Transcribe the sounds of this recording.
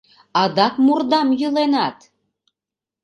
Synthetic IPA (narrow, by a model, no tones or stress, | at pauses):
ɑd̪ɑkmurd̪ɑmjəlenɑt̪